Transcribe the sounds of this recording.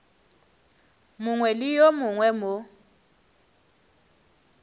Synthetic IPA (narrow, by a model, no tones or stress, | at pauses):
mʊŋwɛlijɔmʊŋwɛmo